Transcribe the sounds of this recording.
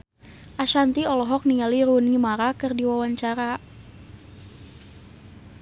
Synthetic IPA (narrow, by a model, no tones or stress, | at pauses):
ʔaʃant̪iɔlɔɦɔk̚niŋaliɾunimaɾakɨrdiwawaɲt͡ʃaɾa